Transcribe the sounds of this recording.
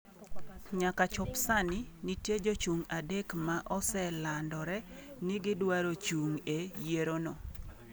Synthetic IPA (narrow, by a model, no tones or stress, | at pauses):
ɲakat͡ʃɔpsanɪnitjed͡ʒot͡ʃuŋadekmaʔɔsɛlandɔɾɛnɪɡɪdwaɾot͡ʃuŋejeɾonɔ